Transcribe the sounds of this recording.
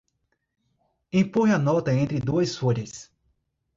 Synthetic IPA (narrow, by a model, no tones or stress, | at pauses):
ĩpõjɐnɔt̪ɐẽnt̪ɾɪd̪uɐsfoʎɐs